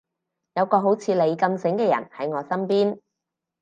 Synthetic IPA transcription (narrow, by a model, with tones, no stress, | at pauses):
jɐ˨˧wkɔː˧ɦo˨˥wt͡sʰiː˨˧le˨˧jkɐ˧msɪ˨˥ŋkɛː˧jɐ̰˨˩nhɐ˨˥jŋɔː˨˧sɐ˥mpiː˥n